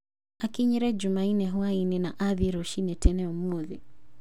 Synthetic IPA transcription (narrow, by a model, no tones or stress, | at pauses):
akiɲɛɾɛd͡ʒumainɛɦuainɛnaʔaðɛɾɔʃinɛtɛnɛɔmɔði